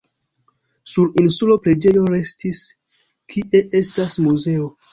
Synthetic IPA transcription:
suɾinsulo̞pɾe̞d͡ʒe̞jo̞ɾe̞stis | kʰiʔe̞ʔe̞stasmuze̞o̞

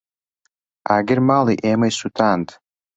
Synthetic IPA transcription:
aɡʲɪrmaliʔemajsutʰantʰʼ

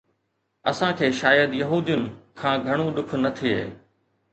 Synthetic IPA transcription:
ɐsãkʰeːʃaːjəd̪jɐɦuːd̪ijʊnɪ̆kʰãːɡʱɐɽ̃ũɗʊkʰʊnɐt̪ʰiḛː

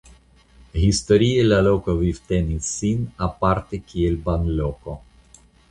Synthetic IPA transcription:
hist̪oɾielalokovivt̪enisːinapaɾt̪ekielbanloko

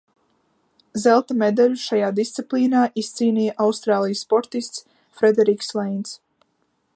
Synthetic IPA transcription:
zɛlˠt̪amed̪alʲuʃajaːd̪ist̪sʲiplˠiːnaːʔist̪siːnʲiːjaʔawst̪ɾaːlˠijsːpɔɾt̪ist̪s | fɾed̪ɛɾikslɛjnt̪s

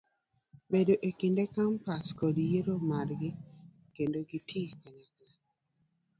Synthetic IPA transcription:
bedoʔekindekampaskɔdjeɾomaɾɡɪ | kendoɡitʰikaɲakla

